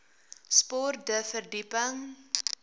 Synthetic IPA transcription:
spɔrdəfərdipəŋ

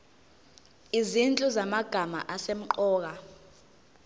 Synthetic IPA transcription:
izint͡ɬʼuzamaɡ̥ʱama̰ʔasem̩ǃɔːk̬a

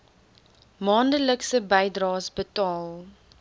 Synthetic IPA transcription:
mɑːndələksəbəjdrɑːsbətɑːlˠ

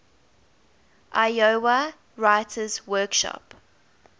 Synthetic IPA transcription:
ʔajowa | ɹaɪtʰəzwɜːˑkʃɔ̰p

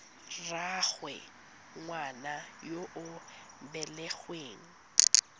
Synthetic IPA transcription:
raɣwɛ̰ | ŋwanajoʔʊ | bɛlɛɣweːŋ̩

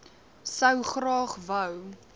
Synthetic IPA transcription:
səwχrɑːχvəw

